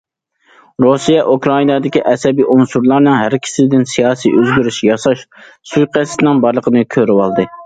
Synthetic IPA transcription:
ɾusijɛʔukɾɑinɑd̪ɪkʲiʔɛsɛbiʔonsuɾlˠɑɾnɨŋɦæɾkʲʰɪ̥sɪd̪ɪnsijɑːsijøzɡʲyɾyʃjɑsɑʃ | sujqʰæst̪ɪnɨŋbɑɾlˠəqʰənɨkʲʰøɾywɑlˠd̪ɨ

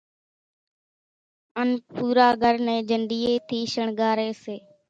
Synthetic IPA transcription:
ənpuːɾaːɡʱəɾnẽːd͡ʒʱəɳɖiːeːt̪ʰiːʃəɳɡaːɾeːseː

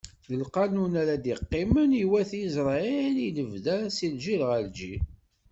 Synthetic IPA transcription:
jəlqɑnunaɾad̪iqːɪməniwæθizɾˤɑeliləvðæɾæsilʒilʁəld͡ʒi

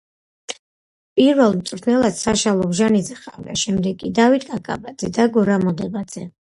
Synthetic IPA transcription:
pʼiɾvɛlˠmt̪sʼɾt̪ʰnɛlˠad̪̥saʃalˠɔbʒanid̪zɛχavd̪a̰ʃɛmd̪ɛɡkʼːid̪avit̪ʼɡʼakʼa̰bad̪zɛd̪aɡɔɾamɔd̪ɛbad̪z̥ɛ

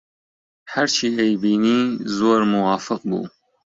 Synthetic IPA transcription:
haɾt͡ʃʰiːd̪ejbiːniːzoːɾmuwaːfɨq̚bṵː

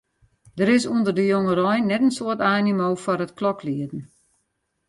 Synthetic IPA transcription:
d̥əɾɪsuəndərdəjoŋəɾɔjnɛtənsoərtaːnimoːfɔrətklɔkliədən̩

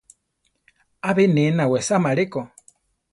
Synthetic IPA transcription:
aβenenawɛsamaɺekɔ

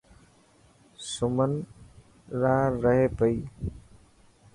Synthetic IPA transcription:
sʊmən | ɾaːɾəɦepəiː

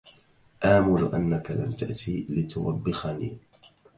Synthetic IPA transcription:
ʔaːmʊlʔanːakala̰mt̪aʔt̪iːlɪt̪ʊwabːɪxanḭː

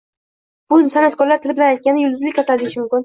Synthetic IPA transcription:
b̥ʊsanat̪̚kʰɒɾlaɾt̪ʰɪlɪbɪlanajt̪̚kʲanɪjʊld̪ɪzlɪkʲʰat̪ʰad̪ɪɾɪʃɪmʊmkʲɪn

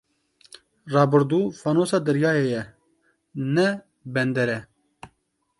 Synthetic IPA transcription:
rɑːbɨɾd̪uːfaːnoːsɑːd̪ɨɾjɑːjeːjɛ | nɛ | bɛnd̪ɛɾɛ

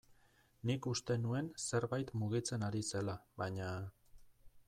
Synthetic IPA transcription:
nikust̪e̞nue̞nse̞ɾβajt̪muɣ̞it͡se̞naɾise̞laβajɲa

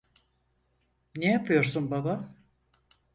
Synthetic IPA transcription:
nejapʰɯjo̞ɾsunbaba

